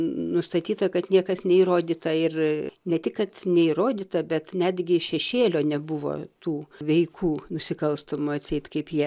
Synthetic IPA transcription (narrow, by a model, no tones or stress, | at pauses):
nʊst̪ɐt̪ʲiːt̪ɐkɐt̪nʲiɛkɐsnʲɛiːɾoːd̪ʲiːt̪ɐɪrnʲɛt̪ʲɪkkɐt̪nʲɛiːɾoːd̪ʲiːt̪ɐbʲɛt̪nʲæd̪ʲɡʲɪʃʲɛʃʲeːlʲoːnʲɛbʊʋo̰ːt̪uːʋʲɛɪkʰuːnʊsʲɪkɐlˠst̪omʊɐt̪ʲsʲɛɪt̪kɐɪpjiɛ